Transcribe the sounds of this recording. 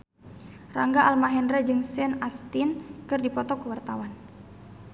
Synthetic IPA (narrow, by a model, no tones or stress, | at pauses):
raŋɡaʔalmaɦɛndɾɛd͡ʒɨŋsɛnast̪inkɨrdipɔt̪ɔkəwart̪awan